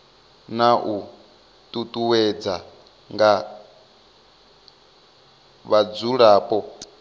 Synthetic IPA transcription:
naʔu | tʼutʼuwɛd͡za | ŋɡa | βad͡zuɺaːpʼɔ

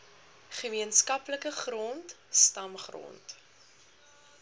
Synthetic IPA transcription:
χəmiənskɐpləkəχrɔnt | stɐmχrɔ̰nt

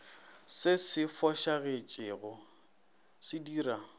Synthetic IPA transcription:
sɪsɪfɔʃaɣet͡ʃʼɪːɣʊ | sɪdiːra

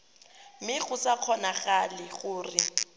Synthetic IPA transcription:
mɪɣʊsaq͡χʰɔnaɣalɪɣʊːrɪ

